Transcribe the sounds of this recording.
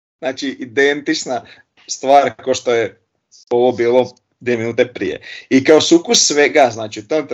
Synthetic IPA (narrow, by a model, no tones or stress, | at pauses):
znaːt͡ʃiʔid̪ent̪it͡ʃna | st̪ʋaːɾkoʃt̪oje | o̞ʋobiːlˠo | d̪vieminuːt̪epɾḭjḛikaosukusːʋeɡaznaːt͡ʃiut̪ont̪